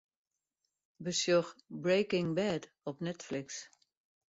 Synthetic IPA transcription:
bəsjoxbɹeːkɪŋbɛːd | ɔpnɛtflɪks

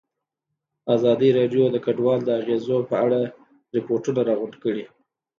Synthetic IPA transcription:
azɑd̪iɾɑɖjod̪əkaɖwɑld̪əaɣezopəaɽa | ɾɪpoɾʈunaɾɑɣʊɳɖkəɽi

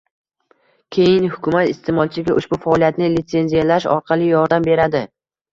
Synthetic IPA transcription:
kʲʰe̞jɪnhʊkʲʰʊmat̪ɪst̪ʰemɒlˠt͡ʃʰɪɡʲaʔʊʃbʊfaɒlijat̪nɪlɪt̪se̞nzijalaʃɒ̰ɾqʰɑlˠɪjɒɾd̪ambe̞ɾad̪ɪ

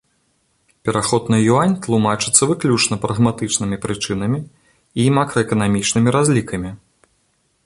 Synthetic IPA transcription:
pʲɛɾaxɔd̪nɨjuanʲt̪lˠumat͡ʂɨt̪sːɐvɨklʲut͡ʂnɐpɾɐɣmat̪ɨt͡ʂnɨmʲipɾɨt͡ʂɨn̪ɐmʲi | imakɾɐɛkɐnamʲit͡ʂnɨmʲiɾazʲlʲikɐmʲi

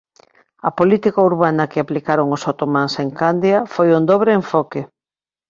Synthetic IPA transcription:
ɐpolit̪ikauɾβanɐkɪaplikaɾoŋosot̪omanseŋkand̪jafojond̪oβɾeeɱfɔke

